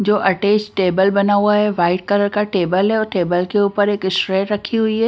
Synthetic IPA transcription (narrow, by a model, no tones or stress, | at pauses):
d͡ʒoːʔɐʈeːsʈeːbəlbɐnaːwaɦɛʋaːɪʈ̚kɐɾəɽkaʈeːbəlɦɛɔːɾʈeːbəlkeuːpəɾeːkɪsʈɾeːʈɾɐkʰiɦʊiɦɛː